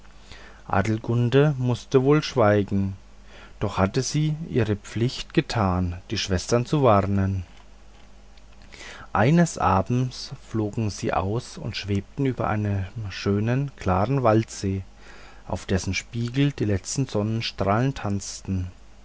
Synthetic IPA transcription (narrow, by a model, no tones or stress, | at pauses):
ʔa̰ːdl̩ɡʊndəmʊstəvoːlʃv̥aɪɡŋ̩ | d̥ɔχhatəziːʔiːʁəp͡flɪçtɡ̥ətʰaːnd̥iːʃv̥ɛstɐnt͡suvaʁnən | ʔa̰ɪnəsʔa̰ːbm̩t͡sfloːɡŋ̩ziːʔa̰ʊsʊ̰ntʃv̥eːp̚tn̩ʔyːbɐ̰ʔa̰ɪnəmʃøːnənkʰl̥aːʁənvaltz̥eː | ʔa̰ʊfd̥ɛsn̩ʃpiːɡl̩d̥iːlɛt͡stn̩zɔnənʃtʁ̥aːləntʰant͡stn̩